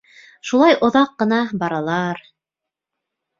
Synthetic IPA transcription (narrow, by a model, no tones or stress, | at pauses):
ʃulˠɑjʔŏðɑqːɤ̆nɑbɑɾɑlˠɑɾ